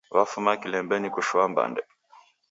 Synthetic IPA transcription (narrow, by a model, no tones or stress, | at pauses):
wafumakilɛmbɛnikuʃuamba̰ndɛ